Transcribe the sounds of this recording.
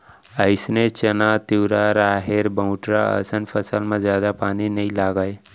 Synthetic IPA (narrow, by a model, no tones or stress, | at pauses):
əɪsnet͡ʃɐnat̪iːɾaɾaːɦeɾbəwʊ̃ʈɾaə̰sənfʰəsəlmãzjaːd̪apaːninɐĩlaːɡaːje